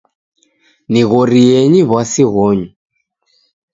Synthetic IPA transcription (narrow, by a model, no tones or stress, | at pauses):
niɣɔɾijɛɲiβwasiɣɔɲu